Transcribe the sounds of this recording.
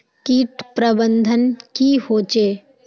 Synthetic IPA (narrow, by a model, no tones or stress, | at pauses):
kiːʈpɾəbənd̪ʱənkihoːt͡ʃeː